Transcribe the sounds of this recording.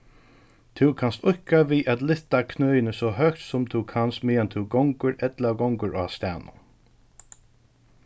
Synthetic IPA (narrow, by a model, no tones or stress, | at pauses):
t̪ʰɪwkʰanst̪ʊhkaviːʔat̪lɪht̪akʰnœːjɪnəsɔɦœkt̪sʊmt̪ʰukʰanst̪mɪːjant̪ʰɪwɡɔŋkəɹɛt̪laɡɔŋkʊɹʔa̰st̪æ̰ːnʊ̰n